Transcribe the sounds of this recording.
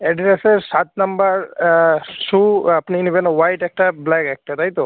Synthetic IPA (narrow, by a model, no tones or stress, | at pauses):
ɛɖɾeseɾsat̪̚nambaɾ | suapninibʱenwajʈɛk̚ʈablɛkɛk̚ʈat̪aɦjt̪o